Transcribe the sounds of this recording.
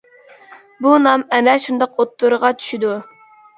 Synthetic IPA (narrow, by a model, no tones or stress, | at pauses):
bunɑmɛmɛʃund̪ɑqot̪ːuɾəʁɑt͡ʃʰy̥ʃid̪u